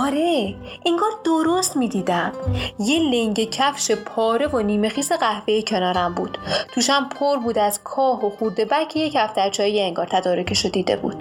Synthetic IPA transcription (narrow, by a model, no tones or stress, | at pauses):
ɒɾe | ʔiŋɡɒːɾd̪oɾost̪miːd̪iːd̪æmje̞leŋɟe̞cʰæfʃepʰɒːɾe̞voniːme̞xiːse̞ɣæhvejecʰe̞nɒːɾæmbuːd̪̥t̪ʰuːʃæmpʰoɾbuːd̪æzkʰɒːɦoxuɾd̪e̞bækʰːejecæfd̪æɾt͡ʃʰɒːjejeeŋɡɒːɾt̪ʰæd̪ɒːɾo̞cʰeʃod̪iːd̪ḛbṵːd̪̥